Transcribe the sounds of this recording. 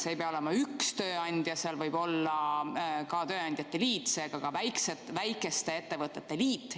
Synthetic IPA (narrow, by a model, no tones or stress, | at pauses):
sejpeɑoemɑykst̪ø̞ːɑnʲd̪̥jɑseɑlvɤjb̥o̞lːɑkɑt̪ø̞ːɑnd̪jɑt̪ːe̞liːt̪se̞ːɡ̥ɑkɑvæjkset̪væjkːˑe̞st̪ee̞t̪ːevɤt̪ːˑe̞t̪ːe̞liːt̪ːˑ